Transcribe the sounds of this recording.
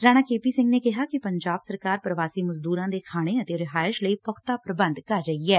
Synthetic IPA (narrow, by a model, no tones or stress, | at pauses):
ɾaːɽ̃aːkeːpiːsɪ̃ŋɡneːkɪɦaːkɪpəɲd͡ʒaːbsəɾkaːɾpɾəʋaːsiːməzd̪uːɾãːd̪eːkʰaːɽ̃eːət̪eːɾɪɦaːɪʃləiːpəkʰt̪aːpɾəbənd̪kəɾd͡ʒəiɛː